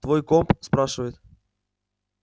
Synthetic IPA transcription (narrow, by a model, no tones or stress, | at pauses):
t̪vo̞jkompspɾaʂɨvəjɪt̪